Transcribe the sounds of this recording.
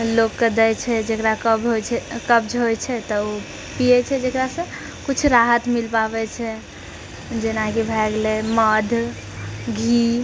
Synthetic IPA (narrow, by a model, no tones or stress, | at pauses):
lokked̪əjt͡ʃʰɛd͡ʒekɾakəbɦot͡ʃʰɛkəbd͡ʒɦojt͡ʃʰɛt̪ɔo | pijɛt͡ʃʰɛd͡ʒekɾasə̃ | kut͡ʃʰɾaɦət̪milpaβɛt͡ʃʰɛ | d͡ʒenakibʱɛɡleməd̪ʱ | ɡʱi